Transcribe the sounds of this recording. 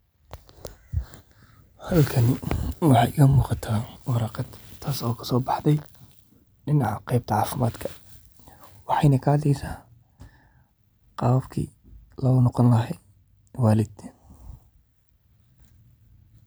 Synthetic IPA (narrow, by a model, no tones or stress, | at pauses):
hɐlkʰɐnɪwɑħɑjʔɪɣɐmuːqɑt̪ʰaːwɑɾɑqɑd̪t̪ʰaːsɔːkʰɐ̥sɔːbɑħd̪ɛj | ɖɪnɑʕqɛjb̚t̪ʰɐʕɑːfɪmaːd̪kʰɐ̥ | wɑħɑjnɐkʰɐɐd̪ɛjsaː | qɑːfkʰḭː | lɔːnɔqɔnlɐɦɛj | waːlɪd̪